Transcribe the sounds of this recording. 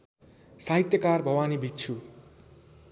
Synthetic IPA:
saɦit̪jʌkarbʱʌwanibʱit̪t͡sʰu

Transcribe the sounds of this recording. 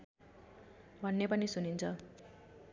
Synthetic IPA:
bʱʌnːepʌnisunint͡sʰʌ

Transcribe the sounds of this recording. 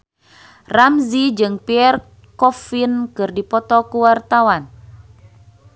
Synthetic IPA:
ramzid͡ʒɨŋpiɛr | kɔfinkɨrdipɔt̪ɔkuwart̪awan

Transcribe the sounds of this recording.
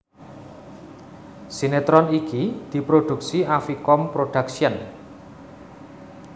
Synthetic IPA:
sinet̪ɾɔnikid̪̥i̤pɾoɖ̪̥ṳksiafikɔmpɾoɖ̥aksiən

